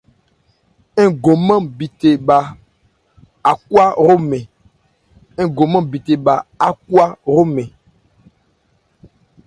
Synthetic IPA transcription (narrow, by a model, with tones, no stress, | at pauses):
e˦ɡo˨mã˦bi˨t̪e˨ba˨ | a˨ku˦a˦ɾo˦mɛ̃˨ | ẽ˦ɡo˨mã˦bi˨t̪e˨ba˨a˦k̚u˦a˦ɾo˦mɛ̃˨